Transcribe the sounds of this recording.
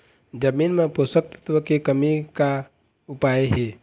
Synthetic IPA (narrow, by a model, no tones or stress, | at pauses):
d͡ʒəmiːnmẽposək̚t̪ə̥t̪ʋəkekəmika | upaːjeɦe